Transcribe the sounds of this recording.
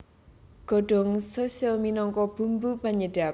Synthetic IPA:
ɡ̥ɔ̤ɖ̥ɔ̤ŋsəsəminɔŋkɔb̥ṳmbupaɲəɖ̥a

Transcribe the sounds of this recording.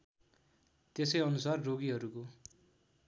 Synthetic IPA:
t̪esʌjʌnusarːoɡiɦʌɾuko

